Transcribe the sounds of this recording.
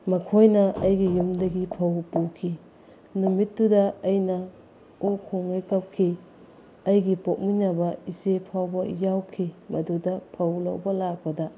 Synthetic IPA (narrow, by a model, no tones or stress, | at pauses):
mɐkʰojnɐɐjɡijumdɐɡipʰɐwpukʰi | numit̚dudɐɐjnɐ | okʰoŋajkɐp̚kʰi | ɐjɡipok̚minabɐizepʰawbɐijawkʰimɐdudɐpʰɐwlɐ̰wbɐlak̚bɐdɐ